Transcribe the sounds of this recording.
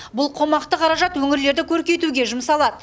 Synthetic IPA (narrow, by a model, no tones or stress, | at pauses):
bʊlˠqʰo̞mɑqt̪əqʰɑɾɑʒɑt̪wɵŋɪɾle̞ɾd̪ɪkʲʰɵɾkʲe̞t̪uɡʲe̞ʒʊmsɑlˠɑd̪ə